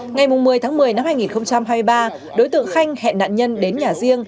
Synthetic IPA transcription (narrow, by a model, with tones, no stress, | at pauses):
ŋa˨˩jmʊ˨˩ŋ͡mmɨ˨˩əjt̪ʰaː˨˦ŋmɨ˨˩əjna˧mhaː˧jŋi˨˩nxə˧wŋ͡mt͡ɕa˧mha˧jmɨ˧jɓaː˧ | ɗo˨˦jt̪ɨ̰˧˨əŋxa˧jŋ̟hɛ̰˧˨na̰ː˧˨nɲə˧nɗe˨˦nɲaː˨˩zi˧əŋ